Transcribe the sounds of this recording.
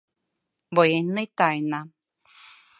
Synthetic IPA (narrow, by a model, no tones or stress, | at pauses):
bojenːɨt̪ajna